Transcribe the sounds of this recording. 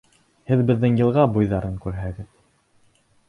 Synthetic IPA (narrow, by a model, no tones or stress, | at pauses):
hɘðbɘ̆ðːɘŋjɤ̆lˠʁɑbujðɑɾɤŋkʉɾɦæɡɘð